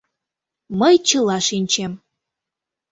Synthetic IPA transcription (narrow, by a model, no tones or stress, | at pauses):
məjt͡ɕəlɑʃinʲt͡ɕem